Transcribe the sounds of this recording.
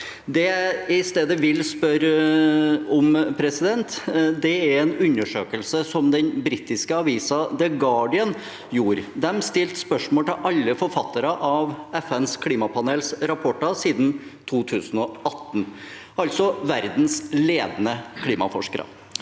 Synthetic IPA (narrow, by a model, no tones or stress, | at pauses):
d̪ɛɪst̪eːd̪əʋɪlspœɾ | ɔmpʰɾɛsɪd̪ɛnt̪d̪ɛæɾɛnʉɲəʂøːkəlsəsɔmd̪ɛnbɾit̪ːɪskəɑʋiːsɑd̪ɛɡɑːɖɪən | juːɾd̪ɛmst̪ɪlt̪spœʂmoːlt̪ɪʔɑlːəfɔɾfɑt̪ːɑɾəʔɑʋɛfɛnskʰliːmɑpʰɑneːlsɾɑpʰɔʈːɑsiːd̪nt̪ʰuːt̪ʰʉːsənɔɑt̪ːn̩ | ɑlt̪sɔʋæɾd̪n̩sleːd̪nəkʰliːmɑ̰fɔ̰ʂkəɾə̰